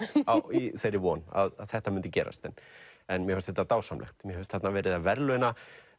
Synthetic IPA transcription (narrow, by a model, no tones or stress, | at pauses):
awiθejɾɪvɔna̰ðaðθɛht̪amʏnt̪ʏcɛːɾa̰st̪ɛnːɛnmjɛhœːst̪θɛt̪ːat̪aːwsamlʔɛ̰xt̪mjɛhœʏst̪θɛt̪navɛːɾɪðavɛɾlʏna